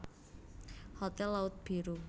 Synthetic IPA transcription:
hɔt̪ɛlːaʊt̪̚b̥i̤ɾu

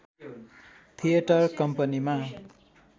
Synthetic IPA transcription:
t̪ʰijʌʈʌrkʌmpʌnima

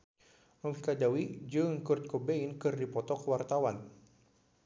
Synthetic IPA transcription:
məmikadawid͡ʒɨŋkurt̪̚kobeinkɨrdipɔt̪ɔkəwart̪awan

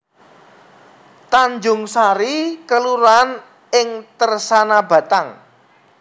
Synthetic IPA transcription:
t̪aɲd͡ʒʊŋsaɾikəluɾan | ɪŋt̪ərsanabä̤t̪aŋ

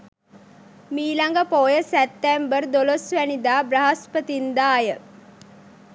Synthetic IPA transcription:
miːlaŋɡəpoːjəsæt̪ːæmbərd̪olosʋænid̪aːbraɦaspət̪ind̪aːjə

